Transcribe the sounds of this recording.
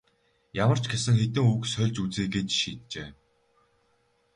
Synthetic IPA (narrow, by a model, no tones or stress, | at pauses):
jamə̆r̥t͡ɕʰɡesɘ̆ŋxet̪ɘ̆ŋuːksœɮʲt͡ɕut͡seːɡeːt͡ɕʃiːt̪̚t͡ɕeː